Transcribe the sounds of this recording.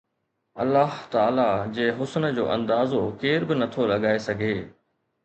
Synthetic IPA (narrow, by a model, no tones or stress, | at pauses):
ɐ̰lːaɦt̪aːlad͡ʑeːɦʊsnə̆d͡ʑo̰ːʔɐ̰̃nd̪aːzokeːɾbɪnɐt̪ʰolɐɠaːesɐɡʱeː